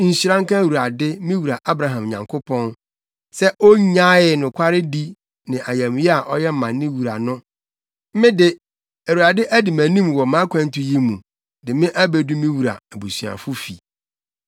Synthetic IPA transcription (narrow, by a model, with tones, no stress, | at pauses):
n̩˨ɕi˨ɾã˦ŋ̩˦kã˦˨wu˨ɾa˨dɪ˦mĩ˦wu˨ɾa˨ʔa˦bɾa˨ɦã˨m˨ɲã̰˨ŋkʰʊ˦pʰɔ̃˦n | sɛ˦ʔo˦ɲã˦ɪ˨nʊ̃˨kʰʷa˦ɾɪ˦di˦ | nɪ̃˨ʔa˨jɛ̃˨m˨˦jɛ˦a˨ʔɔ˦jɛ˦m̩˦mã˨nː˦ɪ̃˦wu˨ɾa̰˨nʊ̃˦ | m̩˦mɪ̃˦dɪ˨ | æ˨wu˨ɾa˨dɪ˦ʔæ˦dɪ˨mæ̃˨nĩ˦m˨wɔ˨mã˨˦kʷʰã˨˦n̩˦tʊ˨ji˦mũ˨ | dɪ˨mɪ̃˦ʔæ˦bɛ˨du˦mĩ˦wu˨ɾa̰˨æ˨bu˨sɥa̰˨fʊ˦fḭ˨